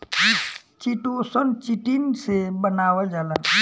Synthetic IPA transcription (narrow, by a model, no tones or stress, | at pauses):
t͡ʃiʈosənt͡ʃiʈinsebənaːwad͡ʒaːla